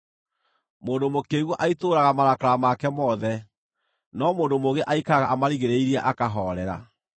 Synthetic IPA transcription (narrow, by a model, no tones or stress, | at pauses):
moːndomokeɣwɔʔaitoɾaɣamaɾakaɾamakɛmɔðɛ | nɔmoːndomoɣeʔaikaɣaʔamaɾiɣeɾeiɾiaʔakaɦɔɾɛɾa̰